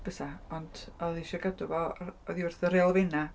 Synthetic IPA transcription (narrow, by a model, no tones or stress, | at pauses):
b̥əsaɔnd̥ɔðiʃɔɡadʊvɔɔðiʊrθəɾeɔlˠvɪna